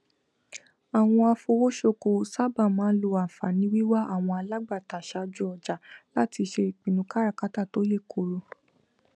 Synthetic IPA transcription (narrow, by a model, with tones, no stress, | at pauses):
a˨w̃ɔ̃˧a˧fo˧wo˦ʃo˧ko˨sa˦ba˦˨mãː˨˦lo˧a˨fa˨nĩ˧˦wi˦wa˦a˦˨w̃ɔ̃˧a˧la˦ɡ͡ba˦˨ta˨ʃa˧d͡ʒu˦ɔ˧˨d͡ʒa˨˦la˦ti˧ʃe˧˨k͡pĩ˨nũ˧˦ka˦ɾa˦˨ka˦ta˦˨to˨˦je˦˨ko˨ɾo˨˧